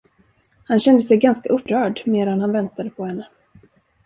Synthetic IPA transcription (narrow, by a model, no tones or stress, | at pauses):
hanɕɛnd̪əsɛjɡanskaʔɵpːɾœːɖmeːd̪anhanvɛnt̪ad̪əpʰɔhɛnːə